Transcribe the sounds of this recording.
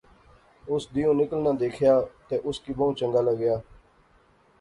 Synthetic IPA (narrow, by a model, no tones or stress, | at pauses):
ʊsd̪iːõːnɪkəlnãːd̪eːkʰjaːt̪eːʔʊskiːbəũt͡ʃəŋɡaːləɡɪjaː